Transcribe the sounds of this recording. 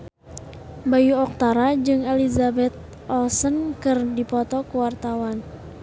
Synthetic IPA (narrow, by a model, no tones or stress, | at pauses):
bajuɔk̚t̪aɾad͡ʒɨŋɛlizabɛt̪̚ | ɔlsənkɨrdipɔt̪ɔkuwart̪awan